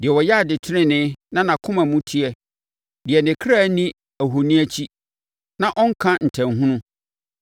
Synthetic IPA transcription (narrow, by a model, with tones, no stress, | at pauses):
d̥ɪ˨ɛ˨wɔ˨jɛ˦a˨dɪ˨tʰɪ˦nɪ̃˦nɪ̃˦nã˦nã˨kʰʊ̃˦mã˨mũ˦tʰi˦ɛ˦ | dɪ˨ɛ˨nɪ̃˨kʰɾa˦nĩ˦ | æ˨ɦo˨nĩ˦æ˦t͡ɕʰi˦ | nã˦ʔɔ̃˦ŋ̩˦kʰã˦n̩˨tʰæ̃˨nɦʊ̃˦nʊ̃˦